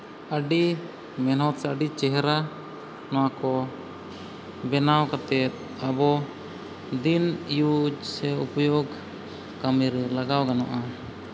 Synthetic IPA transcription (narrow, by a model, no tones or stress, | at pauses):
əɖi | mɛnɦɔt̪səɖit͡ʃɛɦɛɾa | nɔwakɔ | bɛnawkat̪ɛt̪̚ | abɔ | d̪inijud͡ʒsɛupɔjoɡ | kamiɾɛlaɡawɡanɔʔa